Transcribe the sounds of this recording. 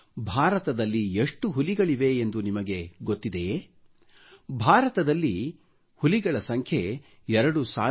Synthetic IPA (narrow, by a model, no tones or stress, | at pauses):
bʱaːɾɐt̪ɐd̪ɐlːieʂʈuɦuliɡɐɭiʋe̞ːnd̪unimɐɡe̞ɡot̪ːid̪ej | bʱaːɾɐt̪ɐd̪ɐlːi | huliɡɐɭɐsɐŋkʰje | ɛɾɐɽusa̰ː